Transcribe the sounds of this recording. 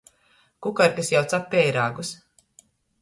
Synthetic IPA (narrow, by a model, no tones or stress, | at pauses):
kukaɾkasjawt̪sapʲːɛjɾaːɡus